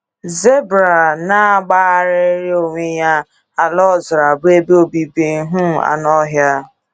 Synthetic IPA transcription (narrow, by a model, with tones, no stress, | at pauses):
ze˦bɾa˨na˦a˦ɡ͡ba˦a˦ɾe˦ɾi˦o˨ŋʷe˦ja˦ | a˨lɔ˦˨zɾa˨bʊ˦e˦bi˦o˨bi˨bi˦ɦu˦˨a̰˨nɔ˦ɦja˦